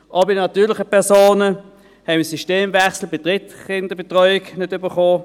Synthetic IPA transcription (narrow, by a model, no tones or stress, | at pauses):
ʔɑbɪdnɑtyːlɪχəpɛʁsoːnə | hɛɪməsyʃteːmvɛχsl̩bɪtʁɪtχɪndəb̥etʁɔʏɪknɪdybəχoː